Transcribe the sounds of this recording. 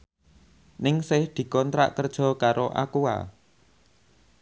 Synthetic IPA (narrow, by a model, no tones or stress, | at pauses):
nɪŋsɪhd̪̥i̤kɔnt̪ɾa̰ʔkərd̥ʒ̥ɔ̤kaɾoʔa̰kua̰